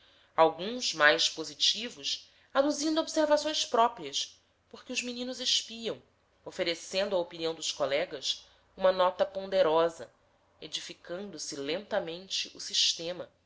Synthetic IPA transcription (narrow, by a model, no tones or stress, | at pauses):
awɡũzmajʃpozit͡ʃivʊs | ad̪uzĩnd̪ʊobseɾvasõj̃spɾɔpɾiɐs | poɾkɪʊzminĩnʊzeʃpiɐ̃w̃ | ofeɾesẽnd̪ʊaopiniɐ̃w̃d̪ʊʃkolɛɡɐs | ũmɐnɔt̪ɐpõnd̪eɾɔzɐ̰ | ed͡ʒifikɐ̃nd̪ʊsilẽnt̪ɐmẽnt͡ʃɪʔʊsiʃt̪ẽmɐ